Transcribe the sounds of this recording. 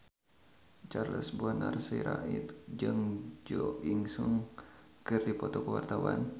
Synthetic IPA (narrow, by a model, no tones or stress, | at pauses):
t͡ʃarləsbuanarsiɾait̪d͡ʒɨŋd͡ʒɔiŋsɔŋ | kɨrdipɔt̪ɔkəwart̪awan